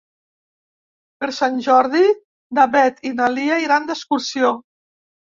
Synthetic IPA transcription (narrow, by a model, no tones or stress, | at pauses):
pəɾsanʲʒɔɾði | d̪aβɛt̪inaliaiɾand̪əskuɾsio